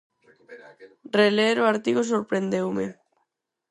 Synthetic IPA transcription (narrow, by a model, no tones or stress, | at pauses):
releɾoaɾt̪iɣos̬oɾpɾend̪ewme